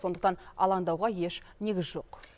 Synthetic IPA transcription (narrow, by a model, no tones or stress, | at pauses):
sond̪əqt̪ɑnɑ̰lˠɑŋd̪ɑwʁɑje̞ʃ | ne̞ɡʲɪzʒo̞q